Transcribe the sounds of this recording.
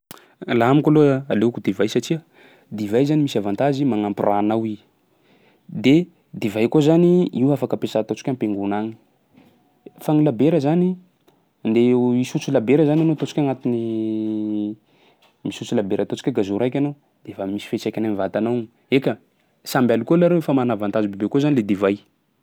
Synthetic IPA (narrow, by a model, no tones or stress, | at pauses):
laɦamikaloalekud̪evajsaʈ͡ʂiə | d̪ivajzanimisavant̪azimaŋampirʔanawi | d̪e | d̪evajkuzaniiwafakəpesat̪ot͡si̥kʲampeŋɡunaŋi̥ | faŋilabeɾəzani | nd̪eisut͡silabeɾəzananot̪ot͡si̥kʲaŋat̪ini | misut͡silabeɾʔat̪ot͡si̥kʲaɡazuɾajkʲano | d̪̥efamisi̥fet͡sajkʲanamivat̪anawŋ | ekʲə | sambʲalukolaɾewefamanavant̪azibebekozaniled̪ivaj